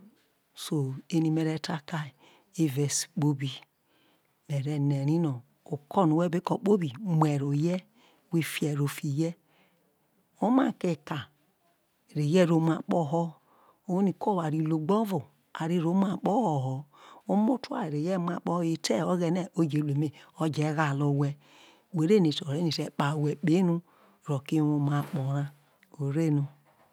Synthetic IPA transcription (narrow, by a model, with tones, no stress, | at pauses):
so˨e˦ni˨mɛ˨ɾɛ˦˨ta˦ka˦˨ | e˦vɛ˨si̥˨k͡po˦bi˦ | mɛ˨ɾɛ˨nɛ˨ɾi˦nɔ˨ | o˨kʰɔ˦nu˨wɛ˦be˦kɔ˨k͡po˦bi˨mʷ˨ɛ˨ɾo˨jɛ˦ | we˦˨fi˦ɛ˨ɾo˨fi˨jɛ˦ | o˦ma˨ke˦ka˨ | ɾe˨jɛ˦˨ɾo˨m˦a˨k͡pɔ˦˨ɦɔ˦ | o˦ni˨ko˦˨βa˨ɾi˨lo˨ɡ͡bɔ˦vo˨ | a̰˨ɾi˦ɾo˨˦ma˨k͡pɔ˦hɔ˨hɔ˨o˦mo˦tu˦a˨ɾe˨jɛ˦˧ma˨k͡pɔ˦˨je˧tɛ˦˨o˦ɣɛ˧nɛ˦o˦d͡ʒe˨˦lo˨me˨o˧d͡ʒɛ˨˦ɣa˨lo˨wɛ˨ | we˨ɾe˦˨ne˨so˨ɾe˦ni˨sɛ˨k͡pa˨wɛ˨k͡pe˨˦nu˧ | ɾɔ˨ki˦o˧ma˨k͡po˨ɾa˧ | o˨ɾe˦˨nu˧